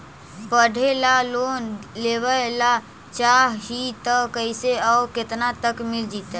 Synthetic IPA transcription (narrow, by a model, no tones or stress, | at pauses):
pəɖ̤ʱelalonlebəla | t͡ʃaɦɦit̪əkəɪseaket̪nat̪əkmild͡ʒit̪ɛ